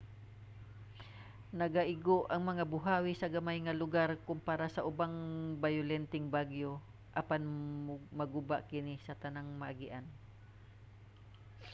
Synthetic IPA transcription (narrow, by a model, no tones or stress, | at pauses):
nɐɡaʔɪɡoʔɐŋmɐŋabʊɦaːwɪsɐɡɐmajŋɐlʊɡaɾkʊmpaɾasɐʔʊbaŋbajʊlɛnt̪ɪŋbaɡjo̞ | ʔɐpanmɐɡʊba̰ʔkɪnɪsɐt̪ɐnaŋmɐʔaɡɪʔan